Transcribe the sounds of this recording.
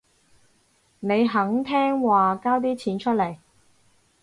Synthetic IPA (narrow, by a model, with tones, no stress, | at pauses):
ne˨˧jɦɐ˨˥ŋt̪ʰɛː˥ŋwaː˨˩kaː˥wt̪̬iː˥t͡sʰiː˨˧˥nt͡ʃʰɵ˥t̚le˨˩j